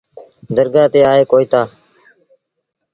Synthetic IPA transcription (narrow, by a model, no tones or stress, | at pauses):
d̪əɾɡaːt̪eːaːɦeːkoːiːt̪aː